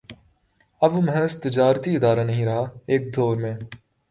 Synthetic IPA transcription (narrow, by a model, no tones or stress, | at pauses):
ɐʋməɦəst̪ɪd͡ʒaːɾt̪iɪd̪aːɾaːnəɦĩːɾɐɦaːeːk̚d̪ʱoːɾmẽː